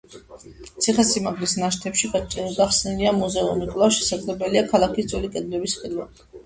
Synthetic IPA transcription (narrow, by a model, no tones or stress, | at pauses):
t̪sʰiχɛsimaɡlisnaʃt̪ʰɛpʃiχɛt͡ʃʼiniɡaχsniliamuzɛunikʼvlˠaʃɛsaɡlɛbɛliakʰalˠakisd̪zʼwɛlikʼɛd̪lɛbisχɛd̪wa